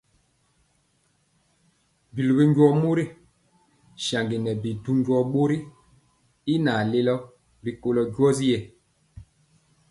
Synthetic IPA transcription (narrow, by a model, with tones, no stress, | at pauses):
bi˨lu˨bi˦ɲɡwɔ˦mo˦ɾi˦ | ʃa˨ŋɡi˨nɛ˨bi˨du˦ɲɟwɔ˦ɓo˦ɾi˦ | i˦na˨le˦lɔ˦ | ɾi˨ko˨lɔ˨ɟwɔ˦zi˦je˦˨